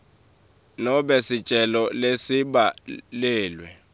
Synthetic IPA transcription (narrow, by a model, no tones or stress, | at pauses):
nɔɓɛsit͡ʃʼɛlɔlesiɓalɛːlwɛ